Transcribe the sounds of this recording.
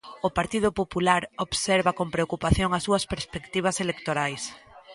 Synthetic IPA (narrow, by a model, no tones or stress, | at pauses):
ʊpaɾt̪iðʊpopulaɾoβseɾβɐkompɾeokupaθjoŋɐsuɐspeɾspekt̪iβ̞ɐselekt̪oɾajs